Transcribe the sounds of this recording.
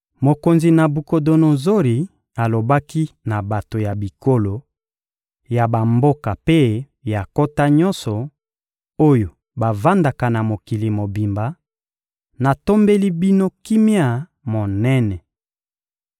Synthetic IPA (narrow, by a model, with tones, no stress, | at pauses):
mo˨ko˨nzi˨na˨bu˨ko˨do˨no˨zo˦ɾi˨ | a˨lo˨ba˦ki˦na˨ba˨to˨ja˨bi˨ko˦lo˨ | ja˨ba˨mbo˦ka˨pe˦ | ja˨ko˦ta˦ɲɔ˦nsɔ˨ | o˦jo˨ | ba˨va˦nda˨ka˨na˨mo˨ki˨li˨mo˨bi˨mba˨ | na˨to˦mbe˦li˦bi˦no˦ki˦mi˦a˦˨ | mo˨nɛ˦nɛ˨